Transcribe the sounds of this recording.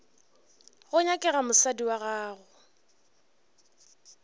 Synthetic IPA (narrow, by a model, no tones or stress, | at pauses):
ɣʊɲakʼɛɣamʊsadiwaɣaːɣʊ